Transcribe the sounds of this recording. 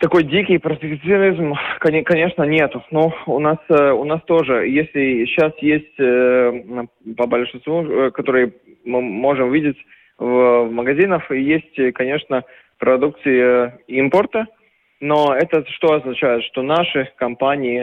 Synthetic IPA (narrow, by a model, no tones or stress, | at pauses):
t̪ɐko̞jdʲikʲɪjpɾəd̪ʲɪkt̪sɨɐnʲizmkɐkɐnʲe̞ʂnənʲe̞t̪ʊnoʊnasʊnast̪o̞ʐɨjesʲlʲɪɕasjesʲtʲ | pəbəlʲʂɨnst̪vukɐt̪o̞ɾɨjə | mɨmo̞ʐɨmvʲidʲɪtʲ | vvməɡɐzʲinəfijesʲtʲkɐnʲe̞ʂnə | pɾɐd̪uk̚t̪sɨjɪimpərt̪ə | noɛt̪əʂt̪o̞ɐznɐt͡ɕæjɪt̪ʂt̪o̞naʂɨkɐmpanʲɪɪ